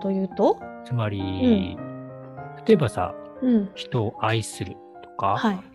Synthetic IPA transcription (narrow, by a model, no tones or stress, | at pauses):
t̪o̞jɯ̟ːt̪ot͡sɨmaɾʲi | t̪ʰḁt̪o̞ebasa̰ɯ̟̃ɴçi̥t̪o̞ːʔaisɨɾɯ̟̰ | t̪o̞̥kahai